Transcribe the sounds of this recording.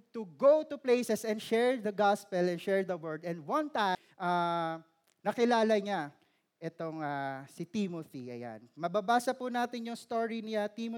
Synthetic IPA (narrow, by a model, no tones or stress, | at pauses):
t̪uɡowt̪ʊplejsɛsɛ̃nd̪ʃɛɹd̪ɐɡaspɛlɛ̃nʃɛɹd̪ɐwɛɹd̪ɛ̃nd̪wɐ̃nt̪a | ʔa | nɐkɪlaːlɐɲa | ʔɛt̪oŋasɪt̪imoθiʔɐ̰ja̰nmɐbabaːsɐpunaːt̪ɪnjʊŋst̪oːɹinɪat̪imo